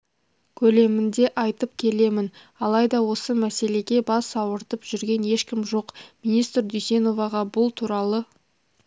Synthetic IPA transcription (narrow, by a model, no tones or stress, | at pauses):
kʲʰɵle̞mɪnd̪e̞ʔɑjt̪əp̚kʲʰe̞le̞mɪn | ɑlˠɑjd̪ɑwo̞səmæse̞le̞ɡʲe̞bɑsɑwəɾt̪əpʒʏɾɡʲe̞ne̞ʃkʲɪmʒo̞qminist̪ɾd̪ʏjse̞no̞vɑʁɑbʊlˠt̪ʰuɾɑlˠə